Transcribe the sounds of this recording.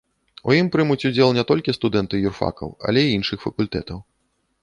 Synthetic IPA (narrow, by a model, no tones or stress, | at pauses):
ujimpɾɨmut͡sʲud͡zʲɛlˠnʲɛt̪ɔlʲkʲist̪ud̪ɛnt̪ɨjurfa̰kɐ̰wɐ̰lʲɛiinʂɨxfɐkulʲt̪ɛ̰t̪ɐw